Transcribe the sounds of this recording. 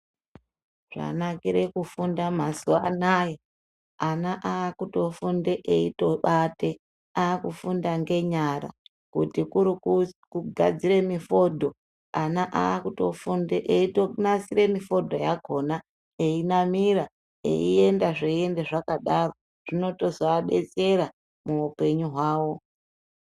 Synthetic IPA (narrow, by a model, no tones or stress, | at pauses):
ʐ̥a̰nakiɾekufundamasuanaːje | anaʔaːkuto̞fundeʔeito̞ɓate̞ | aːkufundaŋɡe̞ɲaɾa̰ | kutikuɾkuɡʱa̰d͡zire̞mifo̞dʱo̞ | anaʔaːkutofundeʔeitonasire̞mifo̞dʱo̞jaɡʱo̞na | einamiɾa | e̞̰ie̞ndaʐeie̞ndeʐakaɗaro̞ | ʐ̥ino̞to̞zaːɓe̞̰t͡se̞ɾa | muupe̞ɲuɦwaːwo̞